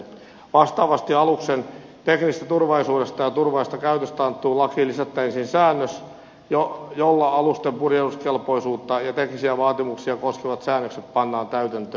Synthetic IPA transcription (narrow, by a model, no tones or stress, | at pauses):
ʋɑst̪ɑːʋɑst̪iɑluksent̪eknist̪æt̪urʋɑlisuːdest̪ɑjɑt̪urʋɑlist̪ɑkæyt̪øst̪ɑnt̪ːˑuːlɑkiːlːisæt̪ːæinsinsæːnːøs | jojolːɑɑlust̪empurjeuskelpoisuːt̪ːɑjɑt̪eknisiæʋɑːt̪imuksiɑkoskeʋɑt̪sæːnːøkset̪̚pɑnːɑːnt̪æyt̪ænt̪øː